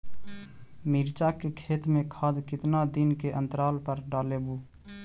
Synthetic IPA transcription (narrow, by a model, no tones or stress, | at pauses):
miɾt͡ʃakekʰeːt̪mẽkʰaːd̪kɪt̪nad̪inkeʔənt̪əɾaːlpəɾɖaːlebu